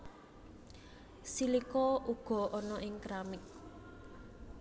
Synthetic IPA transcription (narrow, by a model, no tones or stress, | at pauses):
silikɔuɡ̥ɔ̤ʔɔnɔʔɪŋkɾamɪk̚